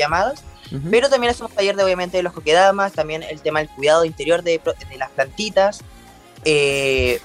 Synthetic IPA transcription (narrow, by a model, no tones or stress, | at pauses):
amaðaspe̞ɾot̪ambjenasemost̪aʝeɾðeoβjament̪eeloko̞keðamast̪ambje̞nḛlt̪e̞maðelk̚uiðaðoint̪eɾjo̞ɾðepɾod̪elasplant̪it̪as | e